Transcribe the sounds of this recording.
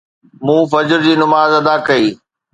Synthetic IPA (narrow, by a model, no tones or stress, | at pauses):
mũːfɐd͡ʑəɾd͡ʑiːnʊmaːzɐd̪aːkɐiː